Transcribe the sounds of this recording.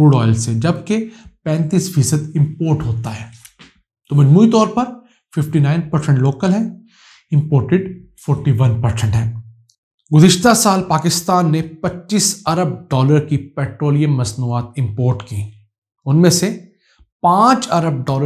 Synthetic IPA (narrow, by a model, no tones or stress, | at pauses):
uːɽɔːɪlsed͡ʒɐb̚kepɛ̃ːnt̪iːsfiːsəd̪ɪ̃mpoːɾʈɦoːt̪aɦɛː | t̪omɐd͡ʒmuit̪ɔːɾpɐɾ | fɪfʈinaːɪnpɐɾsɛ̃ɳʈloːkəlɦɛ̃ː | ɪ̃mpoːɾʈɪɖ | fʰɔːɾʈiʋɐnpɐɾsɛ̃ɳʈɦɛ̃ː | ɡʊzɪʃt̪asaːlpaːkɪst̪aːnːepɐtːʃiːsɐɾəb̚ɖɔːləɾkipɛːʈɾoːlijə̃mːɐsnuːaːt̪̚ɪ̃mpoːɾʈkiː | ʊnmẽːse | pãːt͡ʃɐɾəb̚ɖɔːlə